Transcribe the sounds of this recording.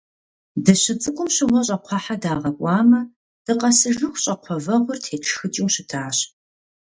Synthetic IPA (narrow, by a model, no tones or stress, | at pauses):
dɐɕɪt͡sʼɨkʷʼʊmɕɪʁʷɔɕ̬ʼɐqʷʰɑħadaːʁɐkʷʼɑːmɐ | d̥ɨqɐsɨʒɨxʷɕʼɐqʷʰɔvɐʁʷʊrtʰeːʈ͡ʂʰxɨt͡ʃʼiwɕɪtʰaːɕ